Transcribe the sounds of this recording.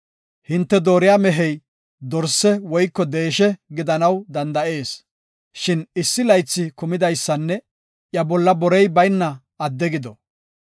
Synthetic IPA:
hɪnt̪ːɛd̪o̞ːɾɪjaːmɛɦɛj | d̪ɔɾsɛwɔjkːɔd̪e̞ːʃɛɡɪd̪ɐnɐwd̪ɐnd̪ɐʔe̞ːs | ʃɪnɪsːɪlɐjt͡sːɪkʊmɪd̪ɐjsːɐnːɛ | ʔjɐbɔlːɐbɔɾɛjbɐjnːɐ | ɐd̪ːɛɡɪd̪ɔ

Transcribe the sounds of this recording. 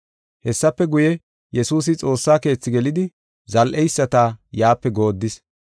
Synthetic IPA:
hɛsːɐpːɛɡʊjɛ | jɛsuːs̬ɪt͡sʼo̞ːsːaːke̞ːt͡sːɪɡɛlɪd̪ɪ | zɐlʔɛjsːɐt̪aːjaːpːɛɡo̞ːd̪ːɪs

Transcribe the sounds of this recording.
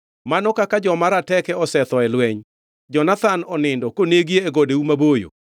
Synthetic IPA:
manɔkakad͡ʒɔmaɾatɛkɛɔsɛt̪ɔɛlwɛɲ | d͡ʒɔnat̪anɔnɪndɔkoneɡieːɡɔdeumabojo̰

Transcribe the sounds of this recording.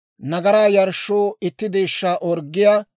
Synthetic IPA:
nɐɡɐɾaːjɐɾʃːoːɪt̪ːɪd̪eːʃːaːʔɔɾɡːɪjaː

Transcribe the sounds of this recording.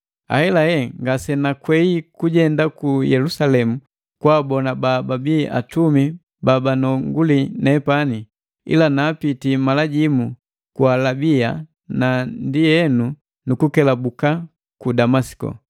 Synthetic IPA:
a̰hɛlahɛŋɡasɛnakwɛikuɟɛndakujɛlusalɛmu | kwaːbɔnabababiʔa̰tumi | babanɔŋɡulinɛpani | ḭlanaːpitimalaɟimu | kualabia | nandijɛnu | nukukɛlabuka | kudamasi̥kɔ̰

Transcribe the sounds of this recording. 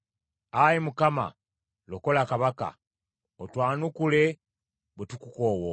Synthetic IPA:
ajimukama̰ | loko̞lakaβaka̰ | otwaːnukule̞ | bwetukukoːwo

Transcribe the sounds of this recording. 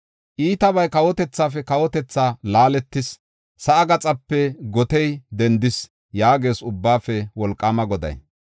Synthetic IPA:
ʔiːt̪ɐβɐjkɐwɔt̪ɛt͡sːaːfɛkɐwɔt̪ɛt͡sːaːlaːlɛt̪ːɪs | sɐʔɐɡɐt͡sʼɐpːɛɡɔt̪ɛjd̪ɛnd̪ɪs | jaːɡe̞ːsʊbːaːfɛwɔlkʼːaːmɐɡɔd̪ɐ̰j

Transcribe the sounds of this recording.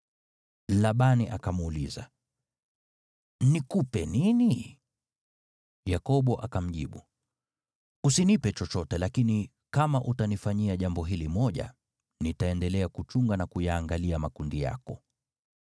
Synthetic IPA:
laɓaniʔakamuːliza̰ | nikupɛnini | jakɔɓɔʔakam̩ʄḭɓṵ | usinipɛt͡ʃɔt͡ʃɔtɛlakini | kamaʔutanifaɲiaʄambɔɦilimɔʄa̰ | nitaɛndɛlɛakut͡ʃuŋɡanakujaːŋɡaliamakundija̰kɔ

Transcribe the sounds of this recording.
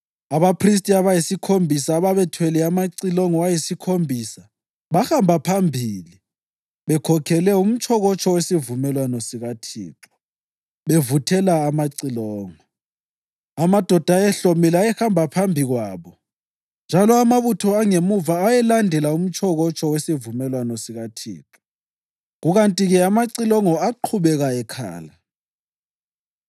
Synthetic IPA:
aβapʰris̬tʼiaβajisikʰombʱisaːβaβɛtʰwɛlɛamaǀilɔŋɔwajisikʰombʱisa | βaxambʱapʰambʱiːli | βɛkʰɔkʰɛlɛum̩t͡ʃʼɔɣɔt͡ʃʼɔwesivumɛlwanɔsiɣatʰḭːǁɔ̥ | βevutʰɛlaːmaǀilɔːŋɔ | amad̥ʱɔd̥ʱajɛɬomilajɛhambʱapʰambʱiɣwaːβɔ | nd͡ʒʱalɔamaβutʰɔaŋemuvaːjɛlandʱɛlaum̩t͡ʃʰɔɣɔt͡ʃʰʼɔwesivumɛlwanɔsiɣatʰḭːǁɔ̥ | ɣuɣantʼiɣɛamaǀilɔŋɔaǃʰuβɛɣaɛkʰa̰ːla

